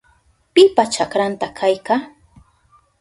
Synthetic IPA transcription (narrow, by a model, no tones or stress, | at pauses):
pɪpat͡ʃakɾant̪akʰajka